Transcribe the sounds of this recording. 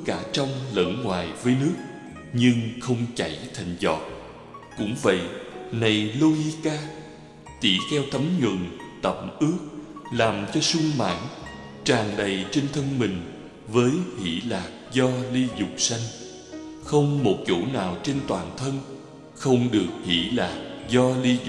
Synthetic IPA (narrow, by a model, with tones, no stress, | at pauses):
kaː˧˩t͡ɕɔ˧wŋ͡mlə̰˧˥nŋwaː˨˩jvəː˨˦jnɨ˦˥ək̚ | ɲɨ˧ŋxə˧wŋ͡mt͡ɕa˧˩jt̪ʰa˨˩jŋ̟zɔ˨˩t̚ | kʊ̰˧˥ŋ͡mvə̰˧˨jna˨˩jlo˧hi˧kaː˧ | t̪i˧˩xɛ˧wt̪ʰə˨˦mɲwɨ̰˧˨ŋt̪ə̰˧˩mʔɨ˦˥ək̚laː˨˩mt͡ɕɔ˧sʊ˧ŋ͡mma̰ː˧˥n | t͡ɕaː˨˩ŋɗə˨˩jt͡ɕe˧nt̪ʰə˧nmï˨˩ŋ̟ | vəː˨˦jhḭ˧˩˥laː˨˩k̚zɔ˧li˧zʊ˨˩k͡p̚sa˧jŋ̟ | xə˧wŋ͡mmo˨˩t̚t͡ɕo̰˧˥naː˨˩wt͡ɕe˧nt̪waː˨˩nt̪ʰə˧n | xə˧wŋ͡mɗɨ˨˩ək̚hḭ˧˩˥laː˨˩k̚zɔ˧li˧z